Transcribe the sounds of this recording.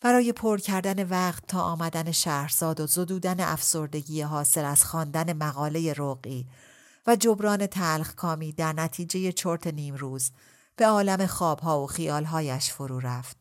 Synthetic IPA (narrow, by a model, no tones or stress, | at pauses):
b̥æɾɒːje̞pʰoɾcʰæɾd̪æne̞væqt̪ʰːɒːʔɒːmæd̪æne̞ʃæːhɾz̥ɒːd̪ozo̞d̪uːd̪æneʔæfso̞ɾd̪e̞ɟiːjeɦɒːse̞læz̥xɒːnd̪æne̞mæɣɒːle̞je̞ɾoɣiː | væd͡ʒo̞bɾɒːne̞t̪ʰælχkʰɒːmiːd̪æɾnæt̪ʰiːd͡ʒe̞je̞t͡ʃʰoɾt̪ʰe̞niːmɾuːz | b̥e̞ɒːlæme̞xɒːb̥ɦɒːoxijɒːlɦɒːjæʃfoɾuːɾæft̪̚